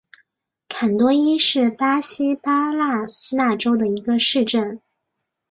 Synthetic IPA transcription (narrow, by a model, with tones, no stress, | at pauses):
kʰa˨˩nt̪wɔ˥i˥ʂɻ̩˥˩pa˥ɕi˥pa˥la˥˧na˥˩ʈ͡ʂo˥ʊd̪ə˨i˧˥ɡə˧ʂɻ̩˥˧ʈ͡ʂə˥˩n